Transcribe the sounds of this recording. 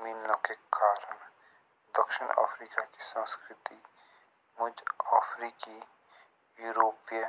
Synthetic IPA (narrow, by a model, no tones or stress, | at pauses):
mɪnːəkekaːɾən | d̪əkʃəna̰ːpʰɾiːkakisə̃nskɾɪt̪i | mʊd͡ʒaːfʰɾiːki | juːɾoːpjə